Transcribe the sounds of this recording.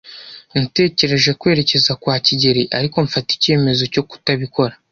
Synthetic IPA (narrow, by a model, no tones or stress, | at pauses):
nite̞ːce̞ɾe̞ʒe̞kwe̞ːɾe̞ce̞zakwaːciɟe̞ɾiʔaɾiko̞ɱfati̥ce̞ːme̞zo̞co̞ku̥taβiko̞ɾa